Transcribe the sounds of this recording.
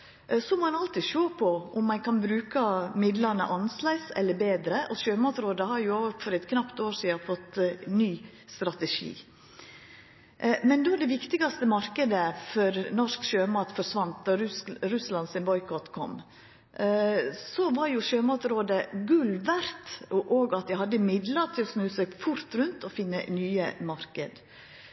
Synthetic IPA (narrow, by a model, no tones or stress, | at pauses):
sɔmɔːɛnɑlt̪iʃoːpʰɔʔʊmːɑnkʰɑnbɾʉːkɑmɪd̪lɑnə̰ʔɑnslæɪsɛ̰lːəɾbeːd̪ɾəʔɔʃøːmɑːt̪ɾoːd̪əhɑɾjʊoːʋfɔɾɛt̪kʰnɑpt̪oːɾʂiːɑfɔt̪ːnyː | st̪ɾɑt̪ɛʂḭː | mɛnd̪oːɖɛʋɪkt̪ɪɡɑst̪əmɑɾkəd̪əfɔɾnɔʂkʃøːmɑːt̪fɔʂʋɑnt̪d̪ɑɾʉslɑnsɪnbɔʏkɔt̪kʰɔ̰mː | sɔʋɑɾjʊʃøːmɑːt̪ɾoːd̪əɡʉlʋæɾt̪ʔoːɡɑt̪̚d̪æhɑd̪ːəmɪd̪ləʈʰɪlɔsnʉːsɛɡfʊɾt̪ɾʉnt̪ɔfɪnːənyːəmɑɾkəd̪